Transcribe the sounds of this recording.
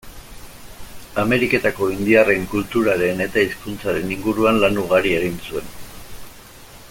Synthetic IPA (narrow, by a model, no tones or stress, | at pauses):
ame̞ɾike̞t̪ako̞ind̪iare̞ŋkult̪uɾaɾe̞ne̞t̪aiskunt͡saɾe̞niŋɡuɾuanlanuɣ̞aɾie̞ɣinsue̞n